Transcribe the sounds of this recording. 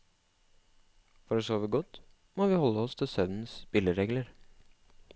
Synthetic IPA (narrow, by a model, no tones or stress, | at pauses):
fɔɾəsoːʋəɡɔt̪ | moːʋiːhɔlːəɔst̪ʰɪlsœʋn̩spɪləɾeːɡləɾ